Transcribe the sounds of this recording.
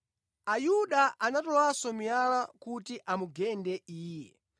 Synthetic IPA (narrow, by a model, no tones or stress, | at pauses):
ajuɗaʔanatɔwasɔmijalakutiʔamuɡɛndɛiːjɛ